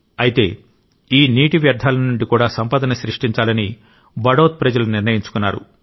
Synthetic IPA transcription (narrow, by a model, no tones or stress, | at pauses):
ɐjit̪e̞ː | iːniːʈiʋjɐɾd̪ʱːaːlɐnuɳɖikuːɽaːsɐmpɐːd̪ɐnɐʃɾiʂʈiɲt͡ʃaːlɐni | bɐɽoːt̪̚pɾɐd͡ʒɐlɐniɾnɐjiɲt͡ʃu̥kunːa̰ːɾṵ